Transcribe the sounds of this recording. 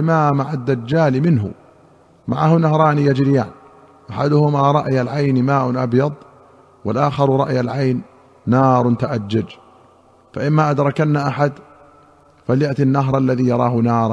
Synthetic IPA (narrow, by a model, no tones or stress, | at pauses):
mamaʕad̪ːad͡ʒːaːlmɪnɦʊ̰ | ma̰ʕahʊnaɦɾˤɑːnijad͡ʒɾɪjaːn | ʔaħad̪ʊhʊmaɾˤɑʔjalʕajnmaːʔʊʔa̰bjɑd̪ˤ | wɪlʔaːxɑɾˤɾˤɑʔjalʕajnː | ɑːɾˤnt̪aʔad͡ʒːad͡ʒ | faʔɪmːaʔad̪ɾˤɑkanːaʔaħad̪ | faljaʔt̪inːaɦɾˤʔalːaðijɑɾˤɑ̰ːhʊnɑːɾˤ